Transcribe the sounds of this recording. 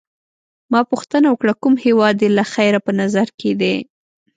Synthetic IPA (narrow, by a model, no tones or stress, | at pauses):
mɑpuxt̪ənawəkɽakumhewɑd̪elaxajɾapənazaɾked̪e